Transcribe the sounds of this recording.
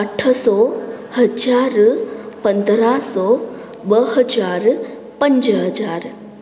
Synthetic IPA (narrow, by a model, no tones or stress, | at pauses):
əʈʰəsɔhəd͡ʒaɾpənd̪ɾasɔ | bəɦəd͡ʒaɾ | pəɲd͡ʒɦəd͡ʒaːɾ